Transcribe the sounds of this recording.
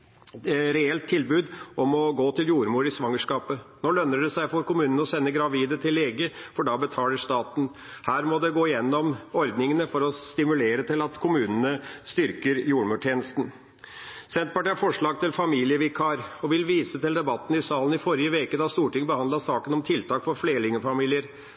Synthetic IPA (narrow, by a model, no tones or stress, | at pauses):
ɾɛɛlt̪ʰːɪlbʉːd̪ɔmɔɡoːt̪ʰɪljuːɾmuːɾɪsʋɑŋːəʂkɑːpənoːlœnːəɖɛsæɪfɔɾkʊmʉːnənəɔsɛnːəɡɾɑʋiːd̪ət̪ʰɪlːeːɡəfɔɖɑːbət̪ʰɑːləʂt̪ɑːt̪n̩ | hæːɾmɔd̪ɛɡoːɪjɛnːɔmɔɾd̪nɪŋənəfɔɾɔst̪ɪmʉleːɾət̪ʰɪlɑt̪kʰʊmʉːnənəst̪ʏɾkəɾjuːɾmʉːʈʰjeːnəst̪n | sɛnt̪̚pɑʈiːɑɾfɔʂɭɑːɡ̚t̪ɪlfɑmiːlɪəʋɪkʰɑɾɔʋɪlʋiːsət̪ɪld̪ɛbɑt̪ːn̩ɪsɑːlən̩ɪfɔɾɪəʋeːkəd̪ɑst̪uːʈɪŋbəhɑnd̪lɑsɑːkənɔmt̪ʰɪlt̪ʰɑːkfɔɾfleːɾəɭɪŋəfɑmiːlɪəɾ